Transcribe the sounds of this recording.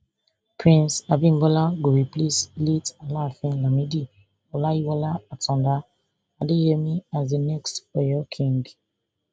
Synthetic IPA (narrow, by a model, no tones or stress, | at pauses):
pʰɹĩnsabĩnbɔlaɡoɹipleslitalafɛ̃nlamidi | ɔlajiwɔlaatɔ̃nda | adehɛmiazdənɛkstɔjɔkʰĩŋɡ